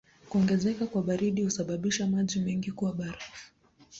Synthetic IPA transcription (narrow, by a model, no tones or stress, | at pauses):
kuɔŋɡɛzɛkakwaɓaɾiɗihusaɓaɓiʃamaʄimɛŋɡikuwaɓaɾa